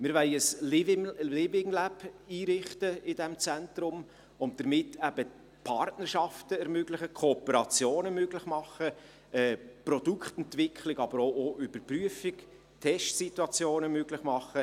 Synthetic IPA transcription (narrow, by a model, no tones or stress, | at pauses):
mɪːɾʋɛɪəslɪɪlɪbɪŋlæbiːɾɪχtəɪdɛmt͡sɛntrʊm | ʊnt̚d̥əɾmɪtːʰæb̥ə | pʰɑrtnəɾʃɑftəɛɾmøɡlɪχəkʰoːpəɾɑt͡sjoːnəmøɡlɪχmɑχːə | ɛːprɔd̥ukχtɛntvɪkʰlɪɡɑb̥əɾoʔoːʔʏb̥əɾpryəfɪk | tʰɛʃtsitwɑt͡sjoːnəmøɡlɪχmɑχə